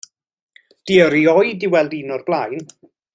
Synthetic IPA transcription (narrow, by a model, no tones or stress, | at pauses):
d̥iəɾiɔjdiwɛlˠdinɔrb̥lˠajn